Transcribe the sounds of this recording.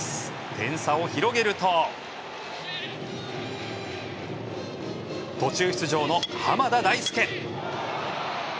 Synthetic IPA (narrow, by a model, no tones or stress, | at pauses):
t̪ẽ̞ɰ̃sao̞çiɾo̞ɡe̞ɾɯ̟t̪o | t̪o̞t͡ɕɨːçi̥t͡sɨʑo̞ːno̞hamad̪ad̪aisɨ̥kẽ̞